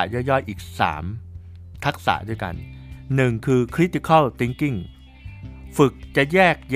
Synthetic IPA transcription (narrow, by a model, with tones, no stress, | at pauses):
jɔ˥˩jːɔ˥˩jʔiː˨˩k̚sa̰ː˩˦m | t̪ʰa˦˥k̚sa̰ː˩˦du˥˩jka̰˧nːnɯ˨˩ŋkʰɯː˧kʰɾi˦˥t̪ːi˨˧˩kʰa˥˩t̪i˧˦ŋki˥˩ŋ | fɯ˨˩k̚t͡ɕa˨˩ʔjɛː˥˩k̚j